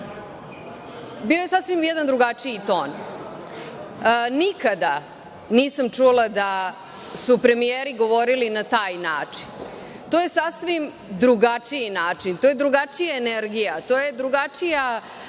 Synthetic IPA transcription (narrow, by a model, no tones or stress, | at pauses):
bio̞je̞sasʋimjɛd̪and̪ɾuɡat͡ʂijit̪o̞ːn | nikad̪a | niːsamt͡ʂulˠad̪a | supɾe̞mijeːɾiɡo̞ʋo̞ɾilinat̪aːjnaːt͡ʂi̥n | t̪o̞ːje̞sasʋim | d̪ɾuɡat͡ʂijinaːt͡ʂint̪oje̞d̪ɾuɡat͡ʃijaeneɾɡijat̪oːjed̪ɾuɡat͡ʂija